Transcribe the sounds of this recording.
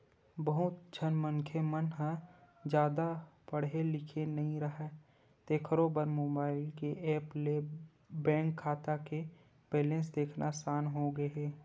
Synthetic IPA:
bəɦʊt̪d͡ʒʰʱənməŋkʰemənɦə | d͡ʒjaːd̪apəɽɦelɪkʰenɐɦĩɾəɦɛ | t̪eːkʰəɾoːbəɾmoːbaːɪlkeʔɛːple | bɛ̃ːŋkʰːaːt̪ake | peːlẽsd̪eːkʰnʔasaːnɦoɡəeː

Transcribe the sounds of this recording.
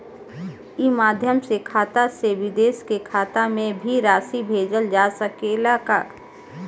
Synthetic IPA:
imaːd̪ʱjəmsekʰaːt̪aseʋɪd̪eːskekʰaːt̪amẽbʱiɾaːsibʱeːd͡ʒəld͡ʒaːsəkeɪlaːkaː

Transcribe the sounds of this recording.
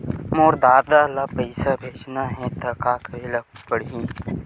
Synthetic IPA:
moːɾd̪aːd̪alapəɪsabʱeːd͡ʒnaɦɛ̃t̪ɐkaːkɾelɐpəɽɦĩː

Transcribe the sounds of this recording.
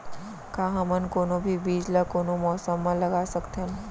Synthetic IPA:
kaɦãmənkonobʱiːbiːd͡zlakonomɔsəmːaləɡasəkt̪ʰen

